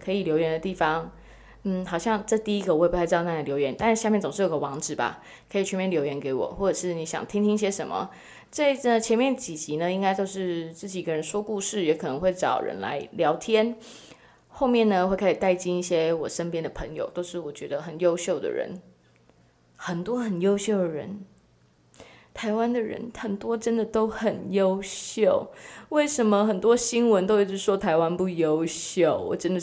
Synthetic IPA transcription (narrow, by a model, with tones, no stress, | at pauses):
kʰɤ˧˥i˨˩ljo˧˥ʊɥɛ˧˥nd̪ə˧t̪i˥˩fɑ˧ŋ | n̩˥˩xɑ˨˩ʊɕjɑ˥˧ŋʈ͡ʂɤ˥˧t̪i˥˩i˦˥ɡə˨wpu˥˩a˥˧ɪ˥ɑ˥˧na˥˩˨ljo˧˥ʊɥɛ˧˦nt̪a˥˧˥ɕja˥˧mjɛ˥˩nt͡sʊ˨ŋʂ̩ɻ̩˥˩jɡə˧wɑ˧˥ŋʈ͡ʂɻ̩˨˩ba̰˩ | kʰɤ˧˥i˨˩t͡ɕʰɥɛ˧˥mjɛ˥˩nljo˧˥ʊjɛ˧˥nke˧˥ɪwɔ̰˨˩xwɔ˥˩ʈ͡ʂɤ˨˩ʂɻ̩˥˩ni˨˧˥ɕjɑ̰˨˩ŋt̪ʰi˥ŋt̪ʰi˥ŋi˥˩ɕjɛ˥ʂə̰˧˥nmə̰˨ | t͡sə˥˩˥t͡ɕʰjɛ˧˥nmjɛ˥˩nt͡ɕi˨˩t͡ɕi˨˥˦nə˧i˥ŋka˥ɪt̪o˥˧ʊʂɻ̩˥˧t͡sɹ̩˥˩t͡ɕi˨˩ɡə˧˥ɻə˧˦nʂwɔ˥ku˥˧ʂɻ̩˥˩jɛ˧˥kʰɤ˨˩nə˧˦ŋxwe˥˩ɪʈ͡ʂɑ˨˩ʊɻə̰˧˦nla̰˧˥ɪljɑ˧˥ʊt̪ʰjɛ˥n | xo˥˧ʊmjɛ˥˩nnə˩xwe˥˩ɪkʰa˥i˨˩t̪a˥˩ɪt͡ɕi˥ni˥˩ɕjɛ˥wɔ˨˩ʂə˥npjɛ˥nd̪ə˨pʰɤ˧˥ŋjo̰˨˧ʊt̪o˥˧ʊʂɻ̩˥˩wɔ˨˩t͡ɕɥɛ̰˧˥d̪ə˧xə˨˩njo˥ʊɕjo˥˩ʊd̪ə̰˩ɻə̰˧˥n | xə˨˩nt̪wɔ˥xə˨˩njo˥ʊɕjo˥˩ʊd̪ə˩ɻə̰˧˦n | t̪ʰa˧˥ɪwa˥nd̪ə˨ɻə̰˧˥nxə˨˩nt̪wɔ˥ʈ͡ʂə˥nd̪ə˨t̪o˥ʊxə˨˩njo˥ʊɕjo˥˩ʊwe˥˩ɪʂə˧˥nmə˧xə˨˩nt̪wɔ˥ɕi˥nwə˧˦nt̪o˥ʊi˥˩ʈ͡ʂɻ̩˥˩ʂwɔ˥t̪ʰa˧˥ɪwa˦npu˥˩jo˥ʊɕjo˥˩ʊwɔ̰˨˩ʈ͡ʂə˥nd̪ə˨